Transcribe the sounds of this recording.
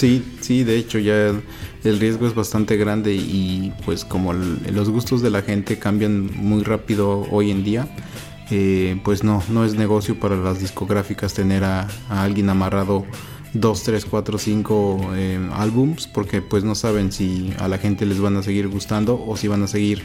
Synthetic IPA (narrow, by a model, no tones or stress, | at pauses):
si | siðe̞et͡ʃo̞ʝa | elrjezɣo̞e̞zβast̪ant̪e̞ɣɾand̪e̞ipwe̞sko̞molo̞zɣust̪o̞zðe̞laxe̞nt̪e̞kambjanmujrapiðo̞o̰je̞nd̪ia | epwe̞zno̞no̞e̞zne̞ɣo̞sjo̞paɾalazðisko̞ɣɾafikast̪e̞ne̞ɾaalɣje̞namaraðo̞ | ðo̞st̪ɾe̞skwat̪ɾo̞siŋko̞ea̰lβumspo̞ɾke̞pwe̞sno̞saβe̞nsia̰laxe̞nt̪e̞le̞zβanas̬e̞ɣiɾɣust̪and̪o̞ʔosiβanase̞ɣiɾ